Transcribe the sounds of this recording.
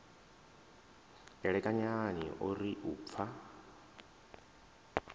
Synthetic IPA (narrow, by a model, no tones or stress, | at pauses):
ɛɺɛkʼaɲanḭʔoɾiʔuːp̪fʰa